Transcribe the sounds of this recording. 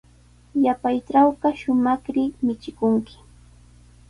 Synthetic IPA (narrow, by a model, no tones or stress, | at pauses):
japajʈ͡ʂawɢɑʃʊmɑkɾɪmɪt͡ʃɪkʊŋkɪ̥